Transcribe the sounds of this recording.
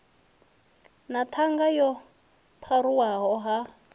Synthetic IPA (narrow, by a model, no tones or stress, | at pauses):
nat̪ʰaŋɡajɔ | pʰaɾuwaɦɔɦa